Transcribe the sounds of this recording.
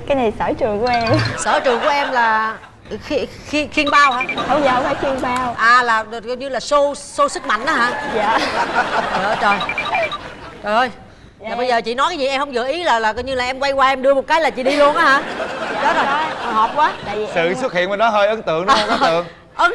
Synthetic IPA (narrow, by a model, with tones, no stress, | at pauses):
kkaː˨˦jna˨˩jsəː˧˩t͡ɕu˨˩əku˧˩˦ʔɛ˧msəː˧˩t͡ɕu˨˩ŋku˧˩əʔɛ˧mlaː˨˩ | xi˧ | xi˧xi˧ənɓaː˧whaː˨˦hə˧ŋ͡mzaː˨˧wkaː˨˦xi˧ənɓaː˧wʔaː˨˩laː˨˩˨ɲɨ˧laː˨˩so˧so˧sɨ˦˥k̚ma̰˧˨jŋ̟ʔaː˨˦ɦaː˨˧˥a˧˨˩ | əː˧˨˩t͡ɕə˨˩j | t͡ɕɔ˨˩jhə˧j | aː˨˩ɓə˧jzəː˨˩t͡ɕḭ˧˨nɔ˨˦jkaː˨˦zi˨˩ʔɛ˧mhə˧wŋ͡mɣɨ̰˧˨əʔi˨˦laː˨˩laː˨˩kːɲɨ˧laː˨˩ʔɛ˧mkwa˧jkwaː˧ʔɛ˧mɗɨ˧əmo˨˩t̚kaː˨˦jlaː˨˩t͡ɕḭ˧˨ɗi˧lu˧ənʔaː˨˦ɦaː˨˧˦ɗɔ˨˦zo˨˩jɦɔ˨˩p̚kwaː˨˦˧sɨ̰˧˨su˦˥t̚hḭ˧ənmə˨˩nɗɔ˨˦ɦəː˧jʔə˨˦nt̪ɨ̰˧˨əŋɗɔ˦˧˦ɨ̰˧˨əŋ | ʔə˨˦n